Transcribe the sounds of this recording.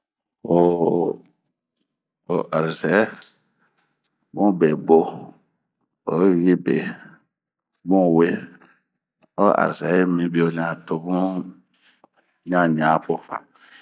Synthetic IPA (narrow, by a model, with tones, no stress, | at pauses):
o˨ | o˨ʔa˨ɾi˨zɛ˨˦ | bũ˦be˨bo˦ | o˨˦ɣi˦bḛ˨ | bũ˦˨we˦ | o˦ʔa̰˨ɾi˨zɛ˨˦mĩ˦bi˦o˨ɲã˨to˧bũ˦ | ɲã˦ɲã˨˦po˦fa̰˨